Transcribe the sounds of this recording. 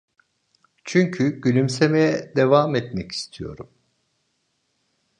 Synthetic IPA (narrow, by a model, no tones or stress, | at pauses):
t͡ʃʰyɲcʰyɟ̥ylʲymsemejɛd̪evaːmɛt̪mɛci̥st̪ʰijo̞̰ɾum